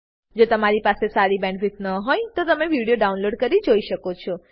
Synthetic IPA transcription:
d͡ʒot̪əmaɾipasesaɾibɛ̃ɳɖʋit̪nəɦojt̪ot̪əmeʋiɽijoɖaunloɖkəɾid͡ʒoiʃəkot͡ʃʰɔ

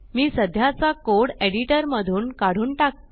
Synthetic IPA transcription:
miːsəd̪ʱjat͡sakoɽeɽiʈəɾməd̪ʱuːnkaɽ̤uːnʈak̪̚

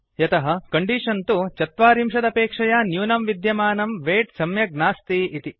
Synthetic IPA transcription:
jɐt̪ɐɦɐ̆kɐɳɖiːʂɐnt̪ut͡ʃɐt̪ʋaːɾimʂɐd̪ɐpeːkʂɐjaːnjuːnɐmʋid̪jɐmaːnɐmʋeːʈsɐmjɐɡnaːst̪iit̪i

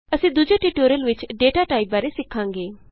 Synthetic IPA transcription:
ɐsĩd̪ʊd͡ʒeʈiːʈoːɾəlʋɪt͡ʃɖeːʈaʈaːib̚aːɾesɪkʰːãːŋɡeː

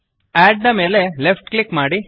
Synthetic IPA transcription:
æːɖːɐmeːlelefʈklikmaːɽi

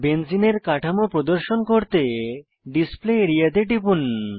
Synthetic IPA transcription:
bensineɾkaʈʰamopɾod̪oɾʃonkoɾt̪e | ɖispleeɾijad̪eʈipun

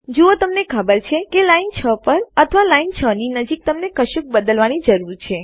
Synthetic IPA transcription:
d͡ʒuot̪əmnekʰəbəɾt͡ʃʰekelaint͡ʃʰəpəɾət̪ʰəʋalaint͡ʃʰəninəd͡ʒik̚t̪əmnekəʃuk̚bəd̪əlʋanid͡ʒəɾuɾt͡ʃʰe

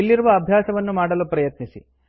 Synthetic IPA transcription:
ilːiɾuʋɐːbʱjaːsɐʋɐnːumaːɽɐlupɾɐjɐt̪nisḭ

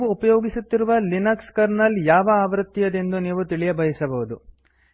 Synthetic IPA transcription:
ʋuːpɐjoːɡisut̪ːiɾuʋɐlinɐkskɐɾnɐljaːʋɐaːʋɾɐt̪ːijɐd̪e̞nd̪uniːʋut̪iɭijɐbʱɐjisɐbɐʋud̪u

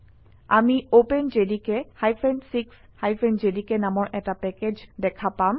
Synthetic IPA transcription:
a̰miopend͡ʒedikehajpʰɛnsiks | hajpʰend͡ʒedikenamɔɹʔɛtapɛked͡ʑdɛkʰapam

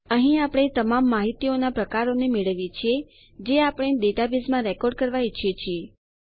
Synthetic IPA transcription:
əɦĩapɽ̃et̪əmamːaɦit̪ionapɾəkaɾonemeɭəʋjet͡ʃʰie | d͡ʒeapəɽ̃ed̪eʈabizmãɾɛkɔɾɖ̚kəɾʋait͡ʃʰijet͡ʃʰie

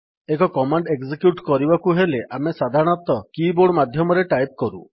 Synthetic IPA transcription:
ekɔkɔmaɳɖeɡzikjuʈkɔɾibakuɦeleʔamesad̪ʱaɾɔɽ̃ɔt̪ɔkiboɽmad̪ʱjɔmɔɾeʈajp̚kɔɾṵ

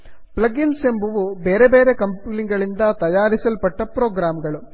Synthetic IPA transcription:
plɐɡinsembuʋubeːɾeʋeːɾekɐmpuːliŋɡɐɭind̪ɐt̪ɐjaːɾisɐlɐpɐʈːɐpɾoːɡɾaːmɡɐɭu

